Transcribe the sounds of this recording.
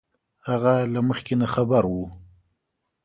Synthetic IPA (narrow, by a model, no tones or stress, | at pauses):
haɣalaməxkenaxabaɾwu